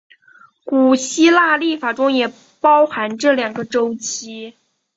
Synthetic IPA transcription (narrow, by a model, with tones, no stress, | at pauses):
ku˨˩ɕi˥la˥˧li˥˩fa˨˩ʈ͡ʂʊ˥ŋjɛ˨˩ | pɑ˥ʊxa˧˥nʈ͡ʂɤ˥˩ljɑ˨˩ŋɡə˦ʈ͡ʂo˥ʊt͡ɕi˥